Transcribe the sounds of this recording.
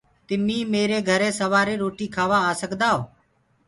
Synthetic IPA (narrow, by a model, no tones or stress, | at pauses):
t̪ɪmiːmeːɾeːɡʱəɾeːsəʋaːɾeːɾoːʈiːkʰaːʋaːaːsəkd̪aːoː